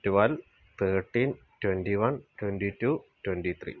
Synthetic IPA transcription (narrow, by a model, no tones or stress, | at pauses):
tʋɐl | t̪ʰəːʈːin | twenɖiʋɐntwenɖitutwenɖit̪ʰrḭ